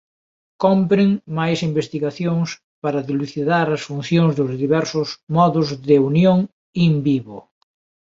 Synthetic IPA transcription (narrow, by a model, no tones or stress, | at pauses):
kɔmpɾɪŋmajsimbest̪iɣaθjoŋs | paɾɐðiluθiðaɾɐsfun̟θjoŋzðʊzðiβɛɾsʊsmɔðʊzðɪunjoŋ | imbiβo